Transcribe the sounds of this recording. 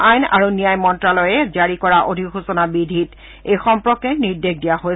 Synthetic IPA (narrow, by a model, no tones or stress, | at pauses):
ajna̰ɹunijajmɔntɹalɔjɛzaɹikɔɹaʔodʱixusɔnabidʱit | ejxɔmpɹɔkɛniɹdeɡ̚dijaɦo